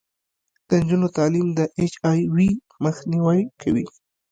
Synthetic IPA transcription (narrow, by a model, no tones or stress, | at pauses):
d̪̥ənd͡ʒunot̪ɑlimd̪əʔet͡ʃɑjwi | məxniwajkʰawi